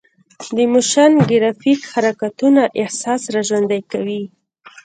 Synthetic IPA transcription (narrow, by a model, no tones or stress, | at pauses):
d̪əmʊʃanɡɪɾɑfikhaɾakat̪unaʔɪhsɑsɾaʒwand̪ajkawi